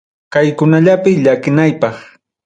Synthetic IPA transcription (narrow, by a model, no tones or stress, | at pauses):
kajkʊnaʎapɪʎakɪnajpɑχ